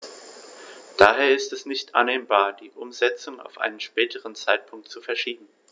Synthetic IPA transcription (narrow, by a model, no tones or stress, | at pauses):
d̥aːɦeːɐɪstɛsnɪçtʔa̰nːeːmbaːɐdiːʔʊmzɛt͡sʊŋa̰ʊfʔa̰ɪnənʃpɛːtʰəʁənt͡saɪt̚pʰʊŋk̚tt͡sufɛɐʃiːbm̩